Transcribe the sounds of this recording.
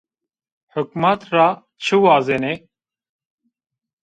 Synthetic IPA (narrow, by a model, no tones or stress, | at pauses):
hʊk̚mat̪ɾa | t͡ʃʰiwaːzene